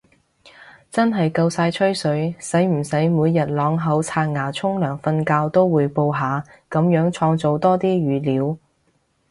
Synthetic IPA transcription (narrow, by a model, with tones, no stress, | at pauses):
t͡sɐ˥nɦɐ˨jkɐ˧wsaː˧jt͡ʃʰɵ˥ɥsɵ˨˥ɥsɐ˨˥jm̩˨˩sɐ˨˥jmuː˨˧jːɐ˨˩t̚lɔː˨˧˥ŋɦɐ˨˥wt͡sʰaː˧t̚ŋaː˨˩t͡sʰʊ˥ŋlœː˨˩ŋfɐ˧nkaː˧wt̪o˥wːuː˨˧jpo˧wɦaː˨˧kɐ˨˧˥mjœː˨˥ŋt͡ʃʰɔː˧ŋt͡so˨wt̪ɔː˥t̪iː˥ɥyː˨˧liː˨˥w